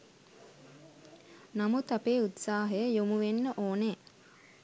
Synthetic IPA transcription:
namut̪apeːut̪saːɦəjəjomuʋenːəʔoːne

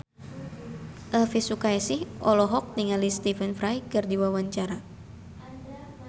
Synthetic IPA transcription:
ʔəfisukajsɪhʔɔlɔɦɔk̚niŋalist̪ifənfɾajkɨrdiwawaɲt͡ʃaɾa

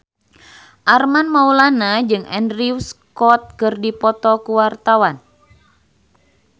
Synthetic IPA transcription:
ʔarmanmaulanad͡ʒɨŋɛ̰ndriwskɔt̪̚kɨrdipɔt̪ɔkuwart̪awan

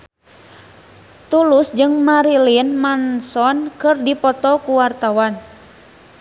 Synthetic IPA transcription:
t̪ulusd͡ʒɨŋmaɾilinmansɔnkɨrdipɔt̪ɔkuwart̪awan

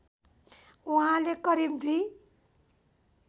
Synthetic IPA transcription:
uɦãlekʌɾib̚d̪ʱi

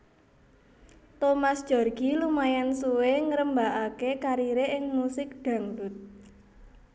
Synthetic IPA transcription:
t̪omasd̥ʒ̥ɔ̤rɡ̥ilumajansuweŋəɾəmbaʔakekaɾiɾeʔɪŋmusɪk̚ɖ̥a̤ŋdut̪̚

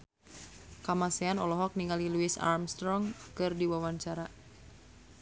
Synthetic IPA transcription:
kamasɛanɔlɔɦɔk̚niŋɡaliluisa̰rmst̪ɾɔŋkɨrdiwawaɲt͡ʃaɾa

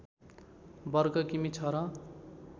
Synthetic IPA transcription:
bʌrɡʌkimit͡sʰʌɾʌ̃

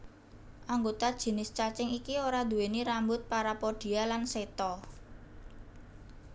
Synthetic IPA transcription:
ʔaŋɡot̪ad̥ʒ̥i̤nɪst͡ʃat͡ʃɪŋikioɾad̪̥ṳweniɾambʊt̪̚paɾapoɖ̥i̤alanset̪ɔ

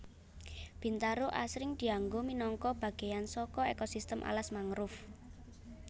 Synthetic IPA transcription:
b̥i̤nt̪aɾoʔasɾɪŋd̪̥i̤aŋɡominɔŋkɔb̥ä̤ɡ̥e̤jansɔkɔekɔsist̪əmʔa̰lasmaŋɾʊf

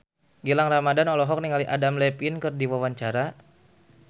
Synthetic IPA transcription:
ɡilaŋramadanɔlɔɦɔk̚niŋaliʔadamlɛpinkɨrdiwawaɲt͡ʃaɾa

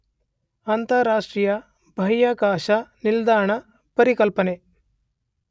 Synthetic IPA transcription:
ant̪ɐɾaːʂʈɾijɐ | bʱɐjaːkaːʃɐnild̪aːɾɐɳɐ | pɐɾikɐlpɐne

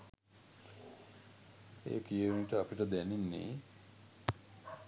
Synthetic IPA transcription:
ḛːpijəuniʈəɐpiʈəd̪ɛninːḭ

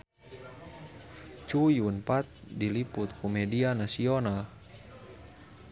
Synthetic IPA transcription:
t͡ʃujunpat̪̚diliput̪̚kɔmɛdianasiɔnal

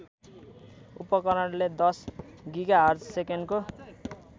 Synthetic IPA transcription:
ṵpʌkʌɾaɽled̪ʌs | ɡiɡaɦʌrd͡zsekenko

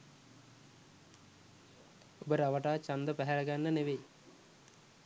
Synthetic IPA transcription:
obəɾəaʋəʈaːt͡ʃand̪əpæɦæləɡanːəneʋej

